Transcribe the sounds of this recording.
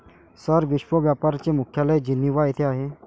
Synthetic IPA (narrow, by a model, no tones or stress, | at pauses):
səɾʋiʃʋəʋjapaɾt͡ɕemʊkʰjaləjd͡ʑinːiʋaet̪ʰeaɦe